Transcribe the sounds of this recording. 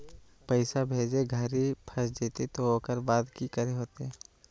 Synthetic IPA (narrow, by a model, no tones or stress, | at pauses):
pəɪsabʱeːd͡ʒeɡʱəɾipʰəsd͡ʒeːt̪et̪ookəɾbaːd̪kikəɾeɦoːt̪eɛ